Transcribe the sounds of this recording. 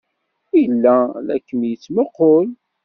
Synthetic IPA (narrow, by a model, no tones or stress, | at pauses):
ijəlːælæ̰kːənjət͡sːməqːol